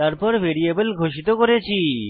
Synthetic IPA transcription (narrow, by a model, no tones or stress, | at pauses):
t̪aɾpɔɾbʱeɾiebelɡʱoʃit̪okoɾet͡ɕʰi